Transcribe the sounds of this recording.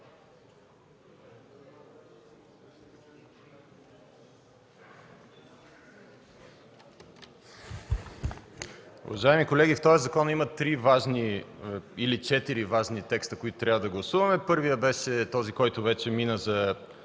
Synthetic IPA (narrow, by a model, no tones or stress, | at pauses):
ṵvɐʒaɛmikolɛɡʲift̪ɔjəzɐkɔnəimɐt̪ːɾivaʒni | ilit͡ʃɛt̪iɾivaʒnit̪ɛkst̪əkoʊit̪ʊt̪ɾʲabvɐd̪ɐɡlˠɐsuvɐmɛpɤɾvijəbɛʃɛt̪ɔzikɔjt̪ʊvɛt͡ʃɛminəzɐ